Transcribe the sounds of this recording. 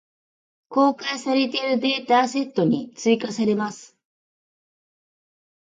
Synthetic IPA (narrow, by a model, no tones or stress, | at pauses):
ko̞ːkaisaɾe̞t̪e̞ɾɯ̟d̪e̞ːt̪aːse̞t̪ːo̞ɲ̟it͡sɨikasaɾe̞masɨ̥